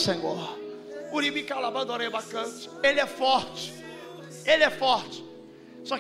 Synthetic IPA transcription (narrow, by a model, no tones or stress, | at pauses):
sẽɡɔ | ʊɾibĩkawlabɐ̃nd̪õnẽjbakɐ̃t͡ʃɪ̥elɪɛfɔɾt͡ʃɪ̥ | elɪɛfɔɾt͡ʃɪ̥ | sɔ